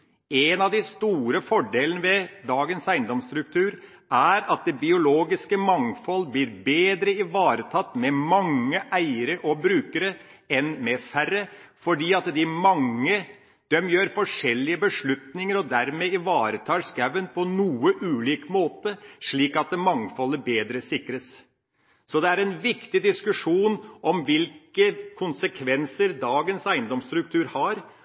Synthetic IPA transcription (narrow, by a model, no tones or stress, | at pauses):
ɛnɑʋd̪ɪst̪uːɾəfɔɖeːlənəʋɛd̪ɑːɡənsæɪnd̪ɔmst̪ɾʉk̚t̪ʰʉːɾ | æɾɑt̪̚d̪ɛbɪʊloːɡɪskəmɑŋfɔlːblɪːɾbeːd̪ɾəɪʋɑːɾət̪ʰɑt̪ːmɛmɑŋːəʔæɪəɾəʔɔbɾʉːkəɾəɛnmɛfæɾəfɔɖiːɑt̪d̪ɪmɑŋːə | d̪̥œmjøːɾfɔʂɛlːɪəbəʂɭʉt̪nɪŋəɾɔd̪æɾmeɪʋɑːɾət̪ʰɑːʂɡæʋənpʰɔnuːəʔʉːliːkmoːt̪əʂɭiːkɑt̪̚d̪ɛmɑŋfɔlːəbeːd̪ɾəsɪkɾəs | sɔd̪ɛæɾɛnʋɪkt̪ɪd̪ɪskʉʂuːnʔɔmʋɪlkəkʰʊnsəkʰʋɛnsəɾd̪ɑːɡənsæɪənd̪ɔmst̪ɾʉk̚t̪ʰʉːɾhɑɾ